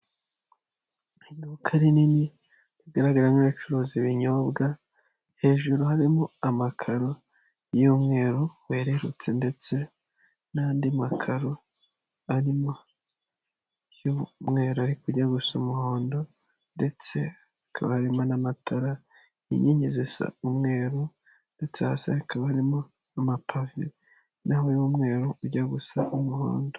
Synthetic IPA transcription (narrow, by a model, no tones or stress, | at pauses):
inukʰaɾinini | βiɡaɾaɡaɾamiit͡ʃuɾoːziβiɲo̞bɡa | he̞ːʒuɾuhaɾimoamakʰaɾo | jumŋe̞ːɾowe̞ːɾe̞ɾut͡se̞nde̞t͡se̞ | naːndimakʰaɾo | aɾimo | jomŋe̞ːɾoaɾikuɟaɡusumuhoːndo̞ | nde̞t͡se̞ | akʰaβahaɾimonamatʰaɾa | ḭɲiɲezesa̰umŋe̞ːɾo | nde̞t͡seasa̰akʰaβaaɾimo̞ | amapʰavḭ | nahojumŋe̞ːɾouɟaɡusaʔumuho̰ːndo